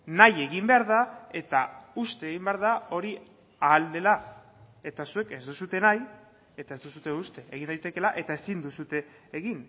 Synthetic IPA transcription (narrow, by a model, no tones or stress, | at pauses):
naje̞ɣimbe̞aɾðae̞t̪aust̪e̞ːɣimbe̞aɾðao̞ɾi | aːld̪e̞la | e̞t̪asue̞ke̞zd̪usut̪e̞naj | e̞t̪ae̞zd̪usut̪e̞ust̪e̞eɣind̪ajt̪e̞ke̞laʔe̞t̪ae̞sind̪usut̪e̞ː | ɣin